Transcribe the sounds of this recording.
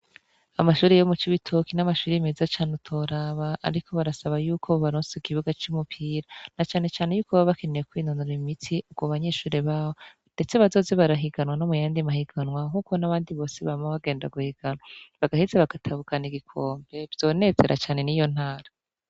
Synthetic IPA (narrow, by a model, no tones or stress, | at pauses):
amaʃuːɾejomut͡ʃiβitʰokinamaʃuːɾimezat͡ʃaːnutʰo̞ɾaβaa̰ɾikʰo̞βaɾasaβajuːkʰoβaɾoːnseikiβuɡat͡ʃumupʰiːɾanat͡ʃaːne̞t͡ʃaːne̞juːkʰoβaβake̞nejekwiːnonoɾimitʰiʔuɡ̥woβaɲe̞ːʃuːɾeβaːβo | nd̥e̞t͡se̞βazo̞ːze̞βaɾaɦiɡanwano̞mujaːndimahiɡanwahuːko̞naβaːndiβo̞ːseβaɾimoβaɡe̞ːnda̰ɡuhiɡ̥anwaβaɡahizeβaɡ̥atʰaβukaniɡikʰoːmbe̞βz̥o̞ːne̞ze̞̰ɾʔa̰t͡ʃaːne̞nijo̞n̥haːɾa